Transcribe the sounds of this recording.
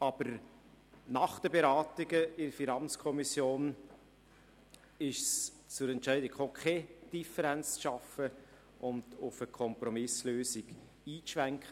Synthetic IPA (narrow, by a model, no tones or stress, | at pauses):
ɑbəɾ | nɑχd̥əbeɾɑːtɪɡəɪəɾfinɑnt͡skʰɔmisjoːn | ɪʃs | t͡sʊɾɛntʃɛɪdɪkfokʰed̥ifəɾɛnt͡st͡sʃɑfə | ʔʊndʊfəkʰɔmpɾɔmɪsløːsɪɡ | iːʃʋæŋkχə